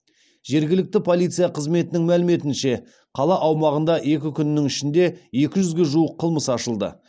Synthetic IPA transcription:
ʒ̥e̞ɾɡʲɪlɪk̚t̪ɪpʰo̞lˠijt̪sijɑqʰəzme̞t̪ɪnɪŋmælɪme̞t̪ɪnʃe̞ | qʰɑlˠɑʔɑwmɑʁənd̪ɑʔe̞kʲɪkʲʰʏnɪnɪŋɪʃɪnd̪e̞je̞kʲɪʒʏzɡʲe̞ʒuəqʰːəlˠməsɑʃəlˠd̪ə̰

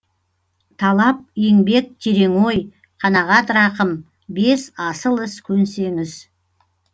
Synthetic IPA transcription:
t̪ʰɑlˠɑp̚eŋbe̞k̚t̪ʰeɾe̞ŋo̞j | qʰɑnɑʁɑt̪ɾɑqəm | be̞sɑsəlˠɪskʲʰɵnse̞ŋɪz

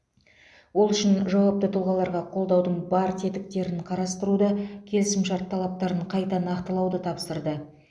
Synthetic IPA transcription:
wo̞lˠʏʃɪnʒɑwɑp̚t̪ət̪ʰəlˠʁɑlˠɑɾʁɑqʰo̞lˠd̪ɑwd̪əɴbɑɾt̪ʰe̞t̪ɪk̚t̪e̞ɾɪɴqʰɑɾɑst̪əɾud̪ɑkʲʰe̞lɪsɪmʃɑɾt̪ʰːɑlˠɑp̚t̪ɑɾəɴqʰɑjt̪ɑnɑqt̪əlˠɑwd̪ət̪ʰɑpsəɾd̪ə

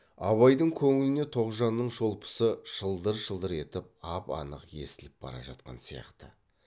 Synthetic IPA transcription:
ɑβɑjd̪əɴkʲʰɵŋɪlɪne̞t̪ʰo̞qʒɑnːəɴʒo̞lˠpə̥səʒ̥əlˠd̪əɾʒəlˠd̪əɾe̞t̪ɪp̚ɑpɑ̰nəqje̞̰sɪlɪp̚b̥ɑ̰ɾɑ̰ʒɑ̰t̪̚qɑ̰nsijɑ̰qt̪ə

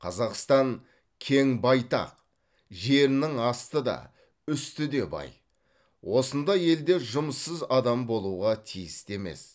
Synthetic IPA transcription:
qʰɑzɑqst̪ɑŋ | kʲʰeŋbɑjt̪ɑ̰q | ʒe̞ɾɪnɪŋɑst̪əd̪ɑ̰ | ʏst̪ɪd̪e̞bɑ̰j | wo̞sənd̪ɑje̞ld̪e̞ʒʊməsːəzɑd̪ɑmbo̞lˠuʁɑt̪ʰijɪst̪e̞me̞̰s

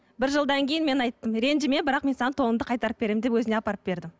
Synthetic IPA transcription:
bɪɾʒəlˠd̪ɑŋkʲʰejɪnme̞nɑjt̪ːəmɾe̞nʒɪme̞bɪɾɑqme̞nsɑnət̪ʰo̞lənd̪əqʰɑjt̪ɑɾəp̚b̥e̞ɾemd̪e̞pwɵzɪne̞ɑpɑɾəp̚be̞ɾd̪ɪm

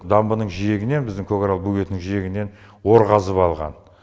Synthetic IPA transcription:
d̪ɑmbənəɴʒijeɡʲɪne̞nbɪzd̪ɪŋkʰokɾɑlˠbuɡʲe̞t̪nɪŋʒije̞ɡʲɪne̞n | wo̞ɾʁɑzəpɑlˠʁɑ̰n

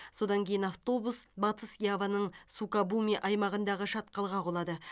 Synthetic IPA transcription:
so̞d̪ɑŋkʲʰe̞jɪnaft̪o̞busbɑt̪əsjavanəɴsukabumʲiʔɑjmɑʁənd̪ɑʁəʃɑt̪̚qɑlˠʁɑqʰolˠɑd̪ə

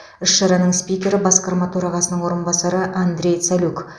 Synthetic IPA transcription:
ɪʃʃɑɾɑnəɴspʲijkʲe̞ɾɪbɑsqɑɾmɑt̪ʰɵɾɑʁɑsənəɴwo̞ɾənbɑsɑɾəʔand̪ɾʲe̞jt̪saluk

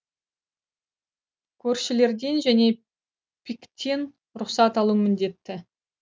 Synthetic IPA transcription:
kʲʰɵɾʃɪle̞ɾd̪e̞nʒæne̞ | pʲʰikt̪ʲːe̞n | ɾʊqsɑt̪ɑlˠumɪnd̪e̞t̪ːɪ

